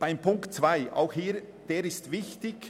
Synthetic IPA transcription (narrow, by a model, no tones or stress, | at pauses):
b̥aɪmpʰʊŋktt͡sv̥aɪa̰ʊxhiːɾ | d̥eːɾɪstvɪçtɪɡ